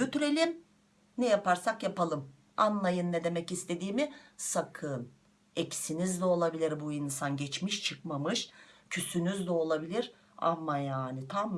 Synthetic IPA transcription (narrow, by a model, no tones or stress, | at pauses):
jyt̪yɾe̞lʲim | nɛjapaɾsakjapalˠɯm | anlˠajɯnːed̪e̞mɛcist̪ʰe̞d̪iːmisakʰɯn | ɛcsinizd̪ɛo̞lˠabilʲiɾbuinsanɟɛt͡ʃmiʃt͡ʃʰɯkmamɯʃcʰysynyzd̪ɛo̞lˠabilʲiɾ | a̰mːajaːnit̪ʰam